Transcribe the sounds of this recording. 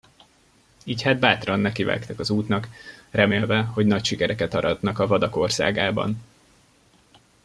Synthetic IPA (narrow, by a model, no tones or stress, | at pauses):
iːchaːd̪̚baːt̪rɒnːɛkivɛ̰kt̪ɛkɒzuːt̪nɒkrɛmeːlvɛho̞ɟnɒcʃikɛɾɛkɛt̪ɒɾɒd̪nɒkɒvɒd̪ɒko̞rsa̰ːɡaːbɒ̰n